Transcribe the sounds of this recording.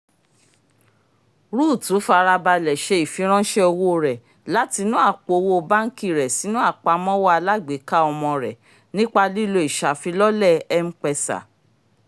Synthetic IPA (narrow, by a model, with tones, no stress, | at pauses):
ɾu˦˨tũ˨˦fa˧ɾa˧ba˧lɛ˨ʃe˧i˨fĩ˨˧˦ɾ̃ɔ̃˦ʃɛ˦o˧wo˦˧˨ɾɛ˨ | la˦ti˧nũ˦a˦˨k͡po˨˧wo˦˧ba˦ŋ̩˦ki˦˨ɾɛ˨si˨˦nũ˦a˦˨k͡pa˧˦mɔ̃˦wɔ˦a˧la˦ɡ͡be˨˦ka˦ɔ˧mɔ̃˧ɾɛ˨ | nĩ˦k͡pa˧li˦lo˧i˨ʃa˨fi˧lɔ˦lɛ˦˨ɛ˦m̩̃˦k͡pɛ˧sa̰˨